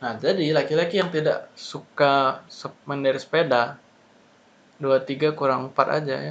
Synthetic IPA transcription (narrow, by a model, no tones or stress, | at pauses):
nahd͡ʒadilakilakijaŋt̪ida̰ʔsukasəməndaɾisə̥peda | duat̪iɡakuɾaŋəpat̪a̰d͡ʒa̰ja